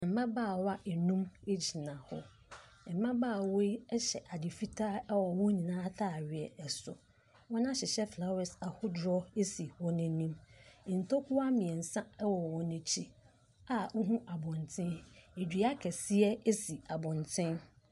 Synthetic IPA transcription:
ɛ̃˨m̩˨bã˦baː˦˨wa˦ʔe˨nũ˦me˦d͡ʑi˨nã˨hɔ˦ | ɛ˨m̩˨mã˦baː˦˨wo˦i˦ɛ˦ɕɛ˨ʔa˨dɪ˨fi˦tʰaː˦ɛ˦wɔ˨wɔ̃˦ɲĩ˨nãː˦tʰaː˦˨ɥɪ˨ɛ˨ɛ˨sʊ̰˨ | wɔ̃˦nã˦ɕɪ˨ɕɛ˦fla˨wɛ˨sa˨hʊ˦dɾɔ˦e˦si˨hɔ˦nɪ̃˦nĩ˦m̩˨n̩˨tʰo˦kʰʊ˦a˦mɪ̃˨ɛ˨n̩˨sã˦ɛ˦wɔ˨wɔ̃˨nɪ̃˨t͡ɕʰi˦ | a˨ʊ˦ɦũ˦ʔa˨bʊ̃˨ntʰɪ̃˦ne˨dᶣi˨˦a˦kʰɛ˨si˦ɛ˦e˦si˨a˨bʊ̃˨ntʰɪ̃˦n

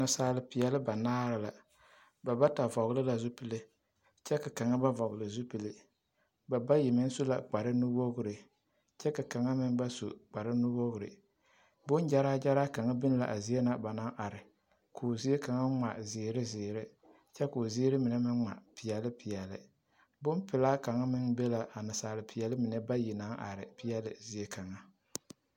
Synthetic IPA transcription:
na˨saː˨˦˨lɨ˨pi˨jɛ˨lɨ˦ba˨naː˦ɾɪ˨la˨ | ba˨ba˦ta˨vɔ˨ɣlɨ˦la˨zu˦pɨ˨lɨ˦ | t͡ʃɛ˦ka˨ka˨ŋa˦ba˦vɔ˨ɣʊ˨lɨ˨zu˦pi˨lɨ˦ | ba˨ba˦ji˨mɪ˦n˦su˦la̰˨k͡pa˨ɾɨ˦nu˦wo˦ɡʊ˦ɾɨ˨ | t͡ʃɛ˦ka˨ka˨ŋa˦mɪ˦n˦ba˦sṵ˨k͡pa˨ɾɪ˦nu˦wo˦ɣʊ˨ɾɨ̰˨ | bʊ˦nd͡ʒa˦ɾaː˦d͡ʒa˦ɾa˦ka˨ŋa˦bɪ˦n˦la̰˨ʔa˨zi˦e˦na˦ba˨na˦ʔa˨ɾɪ˨ | kʰuː˨zi˦e˦ka˨ŋa˦ŋ͡ma̰˨zɪː˨ɾɪ˦zɪː˨ɾɪ˦ | t͡ʃɛ˦kʊː˨ziː˦ɾɪ˦mɪ˨nɛ˦mɪ˦nŋ͡ma̰˨pɪ˨jɛ˨lɪ˦pʰi˨jɛ˨lɪ̰˨ | bʊ˦npɪ˨laː˦ka˨ŋa˦mɪ˦ŋbɛ˦la˨ʔa˨nɪ˨saː˨lɪ˨pʰi˨jɛ˨lɪ˦mɪ˨nɛ˦ba˦ji˨na˦ŋʔa̰˨ɾɪ̰˨pɪ˦jɛ˦lɪ̰˨zi˦e˦ka˨ŋa˦

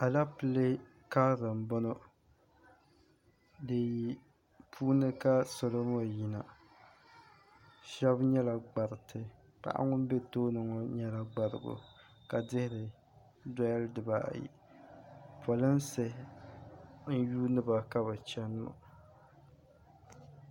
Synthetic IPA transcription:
a˨la˦pɨ˦le˦ | ka˦ɾɨ˨m˨bʊ˦nɔ˦ | dɨ˨ji˦ | pʰuː˦nɨ˦ka˦so˨lo˦mo˦˨ji˨na˨ | ʃɛ˦bɲɛ˦la˨ɡ͡ba˨ɾɨ˨tʰɨ˨ | pa̰˨ʔa̰˦ŋʊ˦n˦be˦toː˦nɨ˨ŋo˦ɲɛ˦la˨ɡ͡ba˨ɾɨ̰˨ɡo̰˨ | ka˨dɪ˦hɪ˦ɾɨ˨ | da˦ldɨ˨ba̰˨jḭ˨ | pʰo˨lɨ˦n˦sɨ˨ | n̩˦juː˦nɨ˦ba˨ka˦ba˨t͡ʃɛ˦n˦mo̰˨

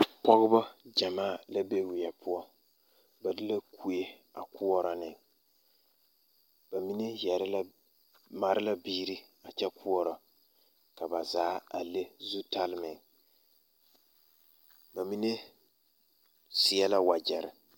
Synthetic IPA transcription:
pɔ˦ɣɨ˦ba˦d͡ʒa˨maː˦˨la˦be˦wɪ˨ɛ˨pʊ˦ɔ˦ | ba˨dɨ˦la˦kʰu˨je˦a̰˨ku˦ɔ˦ɾɔ˨nɪ˨ | ba˨mi˦ne˦jɛ˨ɾl | ma˨ɾɪ˦la˦biː˦ɾi˦a˨t͡ʃɛ˦ku˦ɔ˦ɾɔ˨ | ka˨ba˨zaː˦a˨le˦zu˦ta˦lmɪ˨ŋ | ba˨mi˦ne˦ | sɪ˨ɛ˦la˦wa˨d͡ʒɛ˨ɾɪ˨

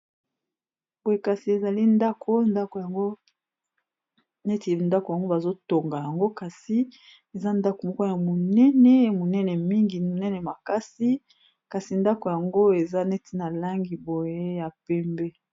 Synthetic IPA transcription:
bo˨je˦˨ka˨si˨e˨za˨li˦nda˦kʰo˦nda˦ko˨ja˨ŋɡo˦ | nɛ˦ti˨nda˦ko˨ja˨ŋɡo˦ba˨zo˦to˨ŋɡa˨ja˨ŋɡo˦ka˨si˨ | e˨za˦nda˦ko˨mo˦˨ko˦ja˨mo˨nɛ˦nɛ˨˦mo˨nɛ˦nɛ˨mi˦ŋɡi˨o˨nɛ˦nɛ˨ma˨ka˦si˦ | ka˨si˨nda˦ko˨ja˨ŋɡo˦e˨za˦nɛ˦tʰi˦na˨la˦ŋɡi˨bo˨je˦ja˨pɛ˦mbɛ˦

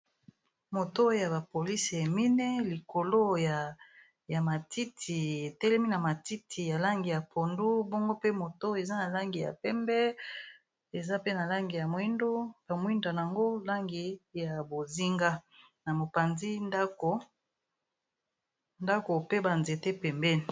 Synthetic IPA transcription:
mo˨to˦ja˨ba˨po˨li˦se˨mi˦ne˦li˨ko˨lo˦ja˨ | ja˨ma˨ti˦tʰi˨e˨tɛ˦lɛ˦mi˦na˨ma˨ti˦tʰi˨ja˨la˦ŋɡi˨ja˨pʰo˨ndu˦bo˦ŋɡo˦pe˦mo˨to˦e˨za˦na˨la˦ŋɡi˨ja̰˨pɛ˦mbɛ˦ | e˨za˦pe˦na˨la˦ŋɡi˨ja˨mwi˦ndo˦b̥a˨mwi˦nda˨n˨a˨ŋɡo˦la˦ŋɡi˨ja˨bo˨zi˦ŋɡa˦ | na˨mo˨pa˨nzi˦nda˦ko˨ | nda˦ko˨pe˦ba˨nze˨te˦pɛ˨mbɛ˦ni˨

